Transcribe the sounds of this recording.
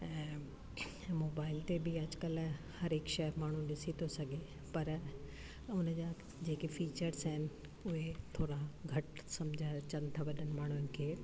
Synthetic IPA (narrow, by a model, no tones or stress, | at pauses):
ɛ̃ | moːbaːɪlt̪ebiɐd͡ʑkəl | hɐɾɦɪkʃɐmaːɳ̤ũɗɪsit̪ʰosɐɡʱe | pɐɾ | ʊnd͡ʑa | d͡ʑeːkefiːt͡ɕəɾzɦɪnɪ̆ | ʊɦet̪ʰoːɾaɡʱɐʈsɐmd͡ʑʱaːt͡ɕɐ̃nt̪ʰaʋɐɗənɪ̆maːɳ̤ʊnɪ̆kʰeː